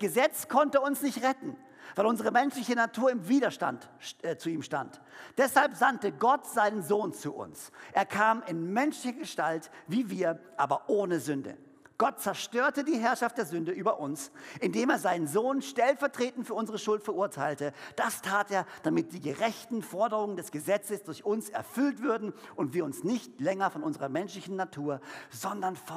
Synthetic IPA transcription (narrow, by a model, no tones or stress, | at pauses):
ɡ̥əzɛt͡skʰɔntəʊnsnɪçtʁɛtn̩ | vaɪʔʊnzəʁ̞əmɛnʃlɪçənatʰuːɐɪmviːdɐʃta̰nt | t͡suiːmʃta̰nt | d̥ɛshalpz̥antəɡɔtz̥aɪnənzoːnt͡suʔʊ̰nsʔeːɐkʰaːmɪnmɛnʃlɪçɐɡəʃtaltv̥iːviːɐʔaːbɐʔoːnəzʏndə̰ | ɡ̥ɔt̚t͡sɛɐʃtøːɐtədiːɦɛɐʃaft̚d̥eːɐzʏndəʔyːbɐʔʊnsʔɪndeːmeːɐzaɪnənzoːnʃtɛlfɛɐtʁ̥eːtn̩fyːɐʊnzəʁəʃʊltfɛɐʔuːɐtʰaɪltəd̥astʰaːteːɐd̥amɪt̚d̥iːɡəʁɛçtn̩fɔɐdəʁʊŋəndɛsɡ̥əzɛt͡səsd̥ʊɐçʔʊnsɛ̰ɐfʏltv̥ʏɐdn̩ʔʊntv̥iːɐʊnsnɪçtlɛŋɐfɔnʊnzəʁɐmɛnʃlɪçn̩ːatʰuːɐzɔndɐnf